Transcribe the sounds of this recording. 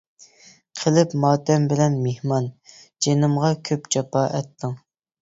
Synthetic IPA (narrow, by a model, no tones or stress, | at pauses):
qʰəlɪpmɑːt̪ɛmbɪlɛnmehmɑnd͡ʒenɨmʁɑkʲʰøpt͡ʃɑpɑʔɛt̪ːɨŋ